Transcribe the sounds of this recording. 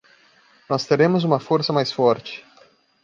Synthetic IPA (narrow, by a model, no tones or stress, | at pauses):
nɔst̪eɾẽmʊzũmɐfoɾsɐmajsfɔɾt͡ʃɪ̥